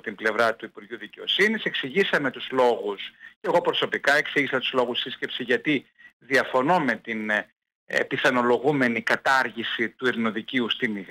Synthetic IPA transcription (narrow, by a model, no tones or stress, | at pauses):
t̪imble̞vɾɐt̪uipuɾʝuðice̞o̞̰sinise̞ksiʝisɐme̞t̪uzlo̞ɣusceɣo̞pɾo̞so̞pikɐe̞ksiʝisɐt̪uzlo̞ɣussisce̞psiʝɐt̪i | ðiɐfo̞no̞me̞t̪in̰ | piθɐno̞lo̞ɣume̞nikɐt̪ɐɾʝisit̪uiɾno̞ðiciust̪ini